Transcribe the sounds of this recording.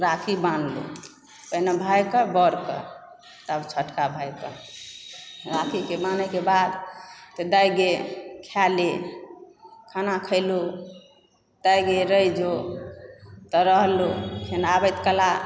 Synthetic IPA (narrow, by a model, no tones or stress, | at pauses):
ɾakʰibanlṵ | pəinebʱajkəbɔɾkə̰ | t̪abt͡ʃʰəʈkabʱajkə̰ | ɾakʰikebanekebad̪t̪ɔd̪ajɡekʰjale | kʰanakʰəɪlu | d̪̥ajɡeɾəjd͡ʒo | t̪ɔɾəɦlukʰenabəjt̪kəla